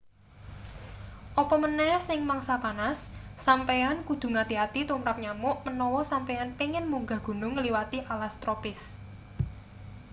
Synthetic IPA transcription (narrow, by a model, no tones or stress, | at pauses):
ʔɔpɔmənɛsɪŋmaŋsapanasːampeankud̪̥ṳŋad̪̥i̤ɦat̪it̪umɾap̚ɲamʊʔmənɔwɔsampeanpiŋɪnmuŋɡa̤ɡ̥ṳnʊŋːəliwat̪iʔalast̪ɾopɪs